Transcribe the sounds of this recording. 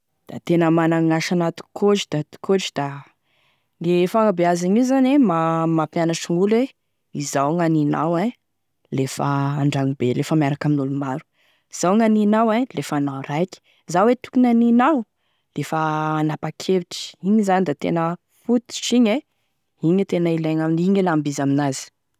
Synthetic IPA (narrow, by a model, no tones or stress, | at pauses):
d̪̥at̪enəmanaŋaʃanat̪u̥kʰoʈ͡ʂi̥d̪̥at̪u̥koʈ͡ʂi̥d̪̥a | ŋɡefaŋabeaziɲiwzanemamapjanaʈ͡ʂiŋule | izawŋanina̰wa | lefə̰ːɳɖ͡ʐaŋibelefəmiaɾakaminulumaɾu̥ | iz̥awŋaninawalefanawɾajkʲi̥ | izawet̪u̥kunaninaw | lefəːnapakʰeviʈ͡ʂi̥iɲizanid̪at̪ḛnə | fut̪i̥ʃiɲe | iɲət̪enailaɲaminiɲelambizaminazi̥